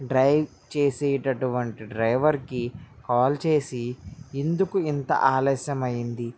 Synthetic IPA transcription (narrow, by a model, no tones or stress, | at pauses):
ɖɾɐjʋ | t͡ʃeːseːʈɐʈuʋɐɳʈiɖɾɐjʋɐɾkikaːlt͡ʃeːsiind̪ukuint̪ɐ̰ʔaːlɐːʃjɐmɐjind̪i